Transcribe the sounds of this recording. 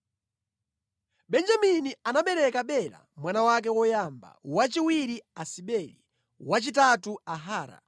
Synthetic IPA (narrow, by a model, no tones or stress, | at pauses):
ɓɛnd͡ʒaminianaɓɛɾɛkaɓɛɾa̰mwanawak̬ɛwɔjamba̰wat͡ʃiwiɾiasiɓɛːli | wat͡ʃitatuaɦaːɾa̰